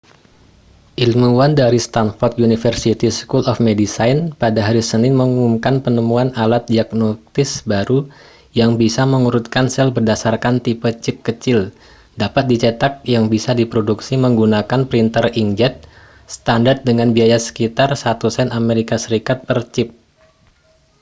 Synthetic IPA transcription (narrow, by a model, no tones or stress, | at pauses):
ʔilmuwandaɾist̪anfɔrt̪junifərsit̪iskulɔfmedisajnpadaɦaɾisənɪnməŋuumkanpənəmuanalat̪̚diaɡ̚not̪ɪsbaɾu | jaŋbisaməŋuɾut̪̚kansɛlbərdasarkant̪ipət͡ʃɪp̚kət͡ʃɪl | dapat̪̚dit͡ʃət̪ak̚jaŋbisadipɾoduksiməŋɡunakanpɾint̪əriŋd͡ʒɛt̪̚ | st̪andart̪̚dəŋanbiajasə̥kit̪arsat̪usɛnameɾikasəɾikat̪̚pərt͡ʃɪp̚